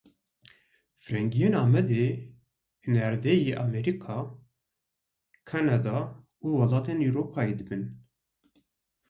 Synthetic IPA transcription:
fɾɛŋɡijeːnɑːmɛd̪eː | hɨnɛɾd̪ejeːʔɑmɛɾikʰɑ | kʰɑnɑd̪ɑ | uːwɑlɑːt̪eːnuɾoːpʰɑːjeːd̪ɨbɨn

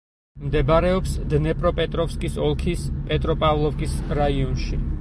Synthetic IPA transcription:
md̪ɛbaɾɛɔpsd̪nɛpʼɾɔpʼɛt̪ʼɾɔfskʼisɔlˠkʰispʼɛt̪ʼɾɔpʼavlˠɔfkʼisɾaiɔnʃi

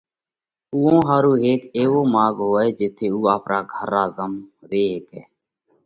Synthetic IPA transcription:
uːõːɦaːɾuːɦeːkeːʋoːmaːɠɦoːeːd͡ʒeːt̪ʰeːuːaːpɾʔaːɡʱəɾaːzəmɾeːɦeːkɛː

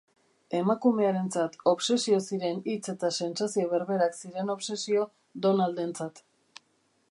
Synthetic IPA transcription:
e̞makume̞aɾe̞nt͡sat̪o̞βse̞sio̞siɾe̞nit͡se̞t̪ase̞nsasio̞βe̞ɾβe̞ɾaksiɾe̞no̞βsesio̞ | d̪o̞nald̪e̞nt͡sat̪

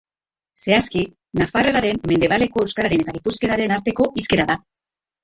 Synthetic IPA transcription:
se̞aski | nafareɾaɾe̞mme̞nd̪e̞β̞ale̞ko̞ewskaɾaɾe̞ne̞t̪aɣipuske̞ɾaɾe̞naɾt̪e̞ko̞ʔiske̞ɾaða

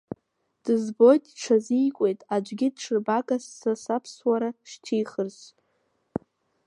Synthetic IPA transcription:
d̥ɨzbo̞jtʼʈ͡ʂʰazijkʷʼe̞jtʼad͡ʒʷɡʲɪdʈ͡ʂʰɨrbakʼasːasapʰswaɾaʃtʰijχərz

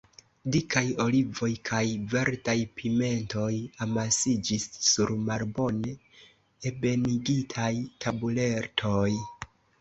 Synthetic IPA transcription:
dikʰajo̞livo̞jkʰajveɾtajpʰime̞nto̞jamasid͡ʒisːuɾmaɾbo̞ne | ebe̞niɡitʰajtʰabule̞ɾtʰo̞j

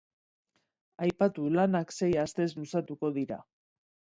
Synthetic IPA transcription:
ajpat̪ulanakse̞jast̪e̞slusat̪uko̞ðiɾa̰

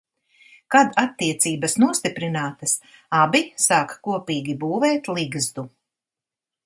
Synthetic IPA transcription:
kad̪at̪ːiɛt̪siːbɐsnuɔst̪ipɾinaːt̪ɐs | abisaːkkuɔpiːɡʲibuːvɛːt̪lˠiɡzd̪u

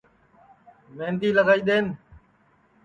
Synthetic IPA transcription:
mẽːnd̪iːləɡaːiːɗ̪eːn

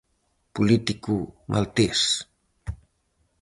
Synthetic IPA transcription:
pulit̪ikumʔa̰lt̪es

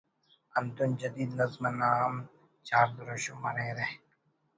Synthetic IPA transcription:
ɐnt̪ʊnd͡ʒɐd̪iːd̪nɐzmanaːm | t͡ʃaːɾd̪ʊɾoʃomɐɾẽɾɛɦ

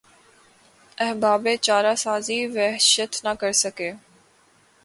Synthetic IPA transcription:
ɛɦbaːbẽːt͡ʃaːɾaːsaːziʋɛɦʃət̪nakəɾsəkeː

